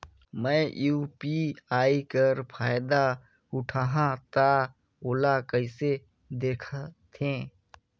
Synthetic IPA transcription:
mɛ̃juːpiaːikəɾpʰaːjd̪a | ʊʈʰaːɦãt̪a | oːlakəɪse | d̪eːkʰat̪ʰẽ

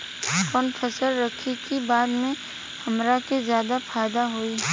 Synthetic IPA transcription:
kɔːnpʰəsəlɾɐkʰikibaːd̪mẽ | hɐmɾakezjaːd̪apʰaːɪd̪aɦoiː

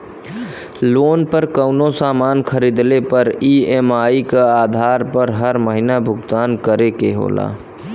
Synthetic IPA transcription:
lonpəɾkəʊnosamankʰəɾid̪lepəɾiemaikead̪ʱaɾpəɾɦəɾməɦinabʱʊɡt̪ankəɾekeɦo̰la̰

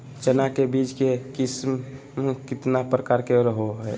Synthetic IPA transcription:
t͡ʃənakebid͡ʒkekɪsm | mekɪt̪napɾəkaːɾkeɾəɦoɦɛ

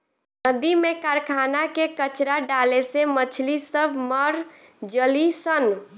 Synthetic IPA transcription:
nəd̪imekaɾkʰanakekət͡ʃɾaɖalesemət͡ʃʰlisəbʱməɾ | d͡ʒəlisən

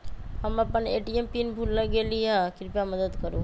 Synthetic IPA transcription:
həməpəneːʈiempinbʱulːəɡeliɦakɪɾpjaməd̪əd̪kəɾo

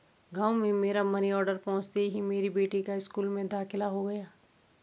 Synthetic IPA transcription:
ɡaːwmẽmeːɾamɐniɔːɾɖəɾpɔ̃ːt͡ʃt̪eɦimeːɾibeːʈikaɪskuːlmẽd̪aːxɪlaɦoɡɐjaː

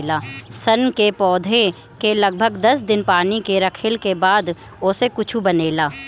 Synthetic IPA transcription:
laːsɐnkepɔːd̪ʱẽ | kelɐɡ̚bʱəɡd̪ɐsd̪ɪnpaːnikeɾɐkʰɪlkebaːd̪ | osekʊt͡ʃʰubɐneːlaː

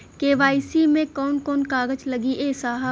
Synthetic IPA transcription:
keːʋaːisimẽkɔːnkɔːnkaːɡəd͡ʒləɡiʔeːsaːɦa

